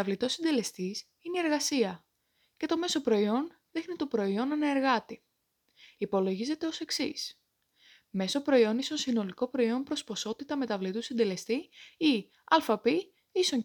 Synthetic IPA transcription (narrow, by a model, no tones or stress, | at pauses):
ɐvlit̪o̞sind̪e̞le̞st̪is | inie̞ɾɣɐsiɐ | ce̞t̪o̞me̞so̞pɾo̞io̞n | ðixnit̪o̞pɾo̞io̞nɐnɐeɾɣɐt̪i | ipo̞lo̞ʝize̞t̪e̞o̞se̞ksis | me̞sopɾo̞io̞nist̪onsino̞liko̞pɾo̞io̞mpɾo̞spo̞so̞t̪it̪ɐme̞t̪ɐvlit̪usind̪e̞le̞st̪ii | ɐlfɐpi | iso